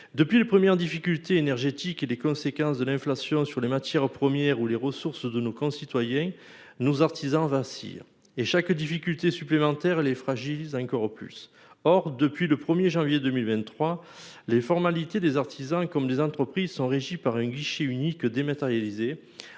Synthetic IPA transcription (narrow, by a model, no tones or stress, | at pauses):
d̪əpɥilepχəmjɛʁəd̪ifikʲylt̪eːnɛʁʒet̪ikelekɔ̃sekɑ̃sd̪əlɛ̃flasjɔ̃syʁlemat̪jɛʁpχəmjɛʁuleʁəsuʁsd̪ənokɔ̃sit̪wajɛ̃ | nozaʁt̪ʰizɑ̃vasḭ | eʃakd̪ifikʲylt̪esyplemɑ̃t̪ɛʁlefχaʒilizɑ̃kɔʁply̰s | ɔʁd̪əpɥiləpχəmjeʒɑ̃vjed̪əmilvɛ̃t̪ːχwalefɔʁmalit̪ed̪ezaʁt̪ʰizɑ̃kɔmlezɑ̃t̪χəpχizsɔ̃ʁeʒipaʁɛ̃ɡiʃeynikd̪emat̪eʁjalize